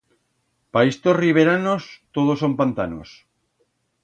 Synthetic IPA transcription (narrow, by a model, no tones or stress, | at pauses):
paest̪osriβ̞eɾanost̪oð̞osompant̪ano̰s